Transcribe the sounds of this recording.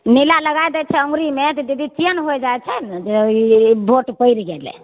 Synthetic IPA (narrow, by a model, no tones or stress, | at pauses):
nilaləɡajd̪ɛt͡ʃʰɛə̃ŋɡɾimet̪ɔd͡ʒ̪ed̪ʱit͡ʃiənɦojd͡ʒaɛt͡ʃʰɛnd͡ʒebʱoʈpəjɾɡelɛ̰